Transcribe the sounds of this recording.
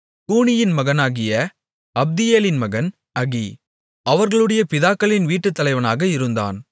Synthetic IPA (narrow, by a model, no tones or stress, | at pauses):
kuːɳɪjɪnmɐɣɐnaːɣɪjɐ | ɐb̚d̪ɪjeːlɪnmɐɣɐn | ɐɣi | ɐʋɐɾɣɐɭɯɽɐjɐpɪðaːkːɐɭɪnʋiːʈːɯt̪ːɐlɐɪʋɐnaːɣɐɪɾɯnd̪a̰ːn